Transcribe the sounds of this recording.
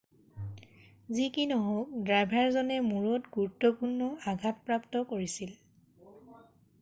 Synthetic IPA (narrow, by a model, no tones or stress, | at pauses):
zikinɔɦok̚dɹajbʱaɹzɔnɛmuɹɔtɡuɹutːɔpuɹnːɔaɡʱatpɹaptɔkoɹisil